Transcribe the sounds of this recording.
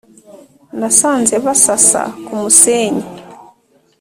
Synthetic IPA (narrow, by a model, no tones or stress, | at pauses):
ndasaːnzɛβasasa̰kumuseːɲi